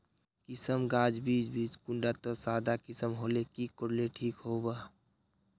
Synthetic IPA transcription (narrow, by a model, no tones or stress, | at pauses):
kɪsəmɡaːd͡ʒbiːd͡ʒbiːd͡ʒkʊɳɖat̪ɔsaːd̪akɪsəmɦoːlekikoɽleʈʰiːkɦobaː